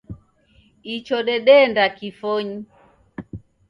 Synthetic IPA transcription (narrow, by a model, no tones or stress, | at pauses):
it͡ʃɔɗɛɗɛndakifɔɲi